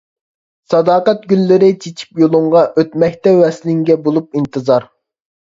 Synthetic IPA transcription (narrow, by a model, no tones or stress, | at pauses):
sɑd̪ɑːqɛt̪̚ɡʲylːɪɾɪt͡ʃʰet͡ʃʰi̥pjolˠuɴʁɑʔøt̪mɛkʲt̪ɛwɛslɪŋɡʲɛbolˠup̚int̪ʰɨzɑɾ